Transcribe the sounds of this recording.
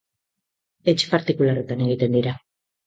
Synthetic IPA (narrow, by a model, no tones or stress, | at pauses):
et͡ʃpaɾt̪ikularet̪ane̞ɣ̞it̪e̞nd̪iɾa